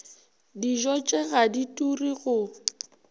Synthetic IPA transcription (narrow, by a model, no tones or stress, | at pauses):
diʒɔt͡ʃʼɛɣaditʼuriɣʊ